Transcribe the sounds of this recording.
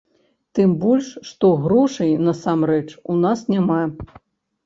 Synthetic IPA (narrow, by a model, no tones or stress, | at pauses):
t̪ɨmbɔlʲʂʂt̪ɔɣɾɔʂɐjnɐsamrɛt͡ʂunasnʲama